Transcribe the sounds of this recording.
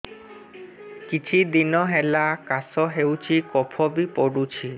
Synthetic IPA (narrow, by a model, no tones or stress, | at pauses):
kit͡ɕʰid̪inɔɦelakasɔɦewt͡ʃʰikɔpʰɔbipoɽut͡ɕʰi